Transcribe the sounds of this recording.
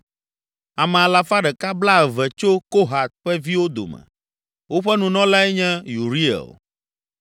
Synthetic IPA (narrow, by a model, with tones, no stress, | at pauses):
a˨mɛ̃˨a˨la˦fa˦ɖɛ˨ka˦bla˦˨vɛ˨t͡ʃo˦ko˦ɦa˨t̪̚ɸɛ˦vi˦wo˦d̪o̰˨mɛ̰̃˨ | wo˦ɸɛ˦nũ˨nɔ̃˦la˦ɛ˦ɲɛ̃˦ju˨ɾi˦ḛ˨o̰˨